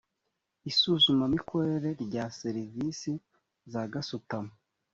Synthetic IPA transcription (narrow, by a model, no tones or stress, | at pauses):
isuzumamikʰoɾeɾe̞ɾɟaːseɾivisi | zaɡasutamo